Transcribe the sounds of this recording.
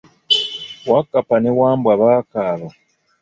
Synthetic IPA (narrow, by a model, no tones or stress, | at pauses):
wakapanewaːmbwaβakaːβa